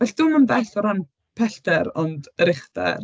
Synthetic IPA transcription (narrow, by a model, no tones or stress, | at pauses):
vɛɬd̥ʊmənbɛɬɔɾan | pʰɛɬd̥ɛɾɔndəɾɪχdɛ̰r